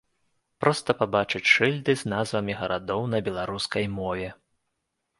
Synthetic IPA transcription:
pɾɔst̪ɐpabat͡ʂɨt͡sʲʂɨlʲd̪ɨznazvɐmʲiɣɐɾʔad̪ɔwnɐbʲɛlˠaɾuskɐjmɔvʲɛ

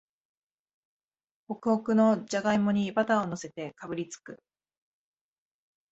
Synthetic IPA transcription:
o̞kɯ̟okɯ̟no̞d͡ʑaɡaimo̞ɲ̟ibat̪ao̞no̞se̞t̪e̞kabɯ̟ɾʲit͡sɨ̥kɯ̟

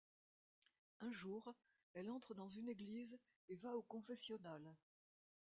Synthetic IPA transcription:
ɛ̃ʒuʁ | ɛlɑ̃t̪χəd̪ɑ̃zyneɡliz | evaokɔ̃fɛsjɔnal

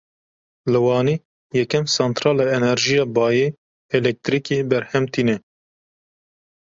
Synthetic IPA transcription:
lɨwɑːniː | jɛkɛmsɛnt̪ɾɑːlɑːɛnɛɾʒijɑːbɑːje | ɛlɛk̚t̪ɾiːkebɛɾhɛmt̪ʰiːnɛ

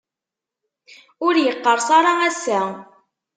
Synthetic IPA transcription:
ʊɾjəqːəɾˤsɑɾˤɑæsæ

